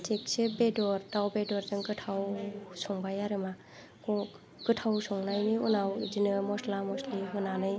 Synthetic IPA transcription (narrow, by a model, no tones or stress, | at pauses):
tʰek̚sebedɔɾtawbedɔɾzɯŋɡɯtʰawsɔŋbajaɾɯma | kɔ | ɡ̥ɯtʰawsɔŋnajniṵnawzinɯmɔslamɔsliɦɯnanɯj